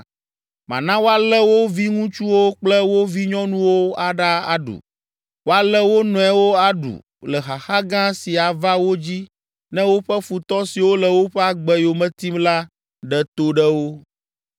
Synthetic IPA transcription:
mã̰˨nã˦wo˦a˦lɛ˦wo˦vi˦ŋũ˦t͡ʃu˦wo˦k͡plɛ˦wo˦vi˦ɲɔ̃˦nũ˦wo˦a˨ɖa˦a̰˨ɖṵ˨ | wo˦a˦lɛ˦wo˦nɔ̃˨ɛ˦wo˦a˨ɖṵ˨ | lɛ˨xa˨xa˦ɡã˦si˨a˨va˦wo˦d͡ʑi˦ | nɛ̃˦wo˦ɸɛ˦fu˨t̪ɔ˦si˨wo˦lɛ˨wo˦ɸɛ˦a˨ɡ͡bɛ˦jo˨mɛ̃˨t̪i˦mla˦ | ɖɛ˨t̪o˦ɖɛ˦wo˦

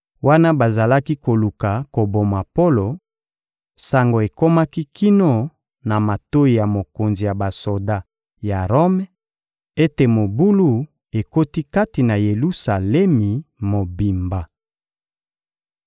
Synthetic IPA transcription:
wa˦na˦ba˨za˨la˦ki˦ko˨lu˨ka˨ko˨bo˨ma˨po˦lo˨ | sa˨ŋɡo˨e˨ko˦ma˦ki˦ki˦no˦ | na˨ma˨to˦i˨ja˨mo˨ko˨nzi˨ja˨ba˨so˨da˦ | ja˨ʁo˦m˦ | e˦te˨mo˨bu˦lu˦ | e˨ko˦ti˦ka˦ti˨na˨je˨lu˦sa˨le˦mi˨mo˨bi˨mba˨

